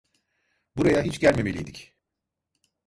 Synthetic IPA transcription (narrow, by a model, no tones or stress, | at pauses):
buɾajaɦit͡ʃɟælʲme̞me̞lʲijd̪ic